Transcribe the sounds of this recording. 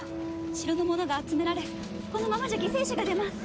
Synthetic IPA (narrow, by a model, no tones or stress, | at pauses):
ɕiɾono̞mo̞no̞ɡaːt͡sɨme̞ɾaɾe̞ | ko̞no̞mamad͡ʑaɡʲese̞ːɕaɡad̪e̞masɨ̥